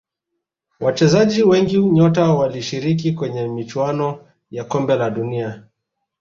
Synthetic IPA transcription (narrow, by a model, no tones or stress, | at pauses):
wat͡ʃɛzaʄiwɛŋɡiɲɔtawaliʃiɾik̬ikwɛɲɛmit͡ʃwanɔ | jakɔmbɛlaɗunia